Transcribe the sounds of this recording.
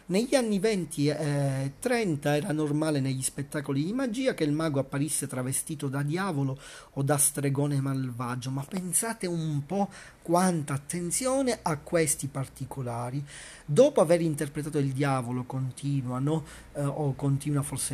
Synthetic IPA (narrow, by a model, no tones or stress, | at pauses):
neʎːanːivɛnt̪ʰit̪ːɾɛnt̪aɛːɾanormaːleneʎːispet̪ːaːkolid̪imad͡ʒiːak̟elmaːɡapːaɾisːet̪ɾavest̪iːt̪od̪ad̪jaːvolood̪ast̪ɾeɡɔːnemalvaːd͡ʒomapːensaːt̪eummpɔkːwant̪aːt̪ːent̪sjɔːneʔakːwest̪ipart̪ikolaːɾi | d̪ɔːpoaveɾint̪erpɾet̪aːt̪oild̪jaːvolokont̪ʰiːnwanɔ | okːont̪iːnwaforse